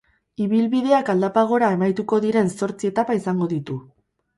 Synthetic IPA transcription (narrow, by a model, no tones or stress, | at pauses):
iβilβið̞e̞akald̪apaɣ̞o̞ɾae̞majt̪uko̞ðiɾe̞nso̞ɾt͡siet̪apaisaŋɡo̞ðit̪u